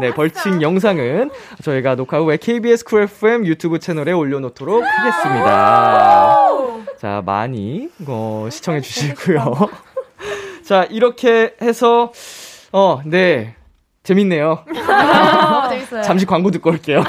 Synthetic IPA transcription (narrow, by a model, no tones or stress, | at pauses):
ne̞pʌɭt͡ɕʰiŋjʌŋs̬ʰaŋɯnt͡ɕʌiɡanokʰaɡowe̞kʰe̞ibiesʰɯ̥kʰɯepʰɯemjutʰjubɯt͡ɕʰe̞nʌɾe̞oʎːʌnotʰoɾok̚haɡe̞s͈ɯmɲida̰ | t͡ɕa̰ma̰ɲiʌɕʰi̥t͡ɕʰʌŋɦe̞d͡ʑuɕʰiɡujo | t͡ɕaʔiɾʌkʰe̞he̞sʰʌ | ʌne̞ | t͡ɕe̞minːe̞jo | t͡ɕamɕ̬ʰikwaŋɡodɯk͈ʌk͈e̞jo